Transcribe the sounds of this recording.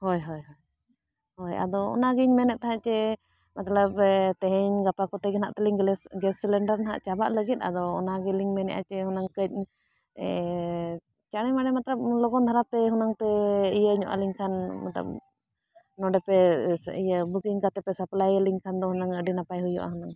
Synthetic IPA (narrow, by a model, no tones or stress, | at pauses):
hɔjɦɔjɦɔj | hɔja̰d̪ɔɔ̰naɡiɲmɛnɛʔ̚t̪aɦãt͡ʃɛ | mat̪ləb̚t̪ɛɦɛɲɡapakɔt̪ɛɡəna̰ʔt̪ɛliŋɡɛsːilɛɳɖəɾnaɦa̰ʔt͡ʃabaʔləɡit̪̚ˀa̰d̪ɔːnaɡiliŋmɛnɛ̰ʔa̰t͡ʃɛhunaŋkəc̚ˀ | t͡ʃaɽ̃imaɽɛmat̪ləb̚lɔɡɔnd̪ʱaɾapɛɦunaŋpɛijəɲɔ̰ʔa̰liŋkʰanma̰t̪lə̰b̚ | nɔɖɛpɛḭjəbukiŋkat̪ɛpɛsəplajəliŋkʰand̪ɔhunaŋəɖinapajɦujɔ̰ʔa̰ɦunaŋ